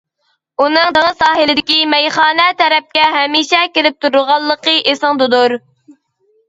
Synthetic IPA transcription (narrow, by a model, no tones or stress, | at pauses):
unɨŋd̪əŋəsɑːɦɨlɪd̪ɪkʲimɛjχɑːnɛt̪ʰɛɾɛp̚kʲɛɦɛmiʃɛkʲeɾɪp̚t̪ʰuɾʊʁɑlˠːəqəʔesɨŋd̪ud̪uɾ